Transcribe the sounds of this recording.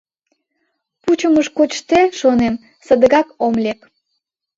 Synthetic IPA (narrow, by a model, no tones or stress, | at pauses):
put͡ɕəməʃkoʃt̪eʃonem | sə̆d̪əɣɑkomlʲek